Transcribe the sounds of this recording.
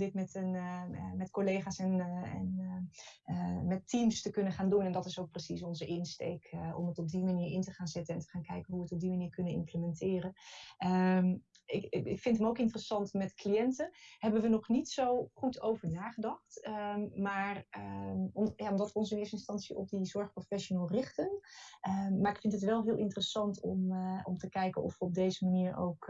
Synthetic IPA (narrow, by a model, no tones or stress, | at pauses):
dɪtmɛtənmɛtkolejχaːsɛnɛ̰n | mɛtːimstəkɵnəχaːndunɛndɑtɪsowk̚prəsisɔnzəʔɪnstejkɔ̰mətɔb̚dimaniːɹɪntəχaːnzɪtənɛntə̥χaːnkɛjkənɦuʋətɔb̚dimaniːɹkɵnəɪ̰mpləmɛntɪːrəə | ɪɪkfɪntɦəmowkɪntərəsɑntmɛtklijɛntəɦɛbənʋənɔχnitsowχutʰowvəɹnaːχədɑχtmaːr | mjaːɔmdɑtʋəɔnsənɪəɹstəɪnstɑnsiʔɔ̰b̚dizɔɹχprofɛʃonɛːlˠrɪχtənəːaːɹɪkfɪntɦətʋɛlˠɦɪːlˠɪntərəsɑntɔmɔmtəkɛjkənɔ̰fʋəɔb̚dejzəmaniːɹo̰wk